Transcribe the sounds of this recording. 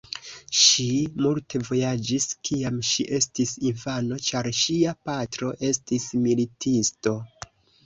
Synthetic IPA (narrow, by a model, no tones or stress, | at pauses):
ʃimulte̞vo̞jad͡ʒiskiamʃiʔe̞stisinfano̞t͡ʃaɾʃiapatɾo̞ʔe̞stismilitʰisto̞